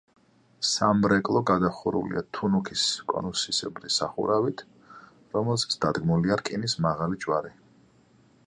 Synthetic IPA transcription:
samɾɛkʼlˠɔɡad̪aχuɾṵlḭat̪ʰunukʰiskʼɔ̰nusisɛbɾisaχṵɾavit̪ʰ | ɾɔmɛlˠsḁsʰd̪̥ad̪ɡmuliaɾkʼinismaʁalid͡ʒʼwaɾi

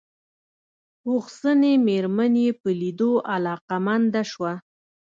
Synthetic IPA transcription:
uxsənemeɾmanepəlid̪oʔalɑqamand̪aʃwa

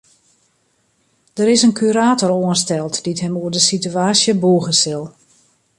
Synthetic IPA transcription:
d̥əɾɪsənkʰyɾaːtɔroənstɛlˠtd̥itɦɛmuərdəsityaːsjəbuːɣəsɪlˠ

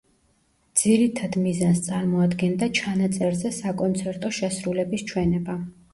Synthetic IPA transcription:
d̪z̥iɾit̪ʰad̪mizanst̪sʼaɾmɔad̪ɡɛnd̪at͡ʃʰanat̪sʼɛɾzɛsakʼɔnt̪sʰɛɾt̪ʼɔʃɛsɾulɛbist͡ʃʰwɛnɛba

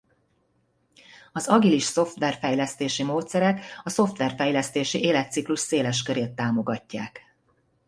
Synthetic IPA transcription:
ɒzɒɡiliʃso̞ft̪ʋɛrfɛjlɛst̪eːʃimoːt̪sɛɾɛkɒso̞ft̪ʋɛrfɛjlɛst̪eːʃiʔeːlɛt̪ːsikluʃseːlɛʃkøɾeːt̪ːaːmo̞ɡɒcːa̰ːk

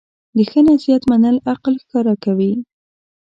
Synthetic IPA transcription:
d̪əxənasijat̪manəlaqlxkɑɾakawi

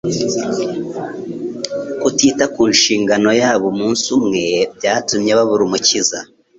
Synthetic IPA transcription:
kutiːtakuːnʃiːŋɡano̞jaːβomuːnsumŋe̞bjaːtumɲeβaβuɾumuciza

